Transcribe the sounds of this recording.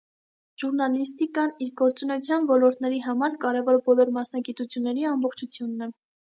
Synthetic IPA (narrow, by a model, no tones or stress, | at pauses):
ʒ̥uɾnɑlist̪ikɑniɾɡɔɾt͡sunɛjut͡sʰjɑnvɔlɔɾt̪nɛɾiɦɑmɑɾkɑɾɛvɔɾbɔlɔɾmɑsnɑɡit̪ut͡sʰjunːɛɾiɑmbɔχt͡ʃʰut͡sʰjunːɛ